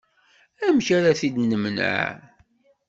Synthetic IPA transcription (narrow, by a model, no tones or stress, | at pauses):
æmçaɾaθid̪nəmnə̰ʕ